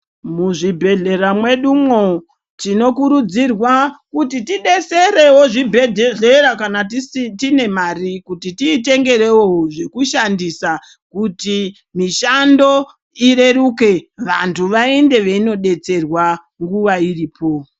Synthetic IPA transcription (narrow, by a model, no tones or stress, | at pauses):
muʐibʱe̞ɮe̞ɾamwe̞ɗumwo | tino̞kuɾud͡zirwakutitiɗe̞seɾe̞wo̞ʐibʱeɮeɾakanatitine̞marikutitiːte̞ŋɡe̞ɾe̞wooʐe̞kuʃandisa | kuti | miʃando̞ | ire̞ruke̞ʋantʰuʋaende̞ʋe̞ino̞ɗe̞t͡se̞rwa | ŋɡuʋairiːpo̞